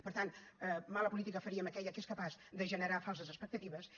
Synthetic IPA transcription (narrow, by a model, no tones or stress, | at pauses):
pəɾt̪anmaləpulit̪ikəfəɾiəməkɛʎəkeskəpazd̪əʒənəɾafalˠsəzəspək̚t̪ət̪iβəs